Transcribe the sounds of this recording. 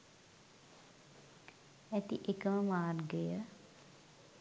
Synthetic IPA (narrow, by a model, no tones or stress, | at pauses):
æt̪iʔekəməmaːrɡəjə